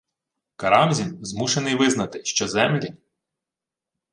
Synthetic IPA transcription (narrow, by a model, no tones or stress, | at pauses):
kɐɾɑmzʲinzmuʃenɪjʋɪznɐt̪ɪʃt͡ʃɔzɛmlʲi